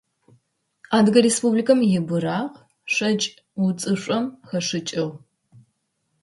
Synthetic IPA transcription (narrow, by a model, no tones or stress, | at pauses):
aːdɨɡɐɾespublikʰɐmjɪbɨɾaːʁ | ʂʼɐt͡ʃʼ | wut͡sʼɨɕʷʼɐmxɐʂɨt͡ʃʼɪʁ